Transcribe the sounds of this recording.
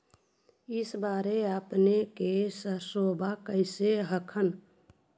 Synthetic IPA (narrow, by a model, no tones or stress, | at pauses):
ɪsbaːɾeəpnekesəsoːbʱakəɪseɦəkʰən